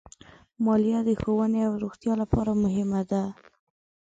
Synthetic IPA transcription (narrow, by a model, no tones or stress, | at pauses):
mɑljɑd̪əxowəneawɾoxt̪jɑlapɑɾamʊɦɪmad̪a